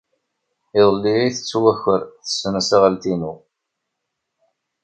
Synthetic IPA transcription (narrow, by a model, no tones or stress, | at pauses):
ɪðˤəlːiɾiθə̥t͡sːwæçəɾθə̥sːənæsaʁəlt̪inu